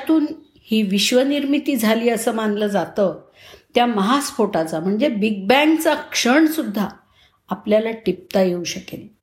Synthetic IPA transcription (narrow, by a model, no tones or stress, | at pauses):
t̪uːn | hiːʋiɕʋəniɾmit̪iːd͡zʱaliːəsəːmanɡləːd͡zat̪ə | t̪jaməɦasfoʈat͡sam̤əɳd͡zebiɡ̚bæɳt͡sakʂəɳsud̪ʱːaː | pljalaʈip̚t̪ajeuɕəkel